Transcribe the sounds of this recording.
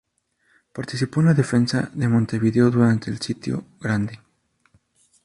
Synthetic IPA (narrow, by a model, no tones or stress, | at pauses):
paɾt̪isipoenlaðe̞fe̞nsaðemont̪e̞βiðeoðuɾant̪eːlsit̪jo̰ɣɾand̪e